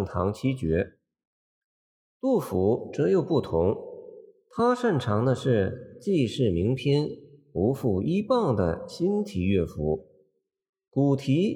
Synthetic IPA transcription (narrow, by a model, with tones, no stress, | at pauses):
nt̪ʰɑ̰˧˥ŋt͡ɕʰi˥t͡ɕɥɛ˧˥ | t̪u˥˩fu˧˥ʈ͡ʂɤ˧˥jo˨˩ʊpu˥˩t̪ʰʊ˧˥ŋ | t̪ʰa˥ʂə˥˩nʈ͡ʂʰɑ˧˥ŋd̪ə˧ʂɻ̩˥˧t͡ɕi˥˧ʂɻ̩˥˩mi˧˥ŋpʰjɛ˥nu˧˥fu˥˩i˥pɑ˥˩ŋd̪ə̰˩ɕi˥nt̪ʰi˨˩˦ɥɛ˥˩fu˧˥ | ku˨˩t̪ʰi˧˥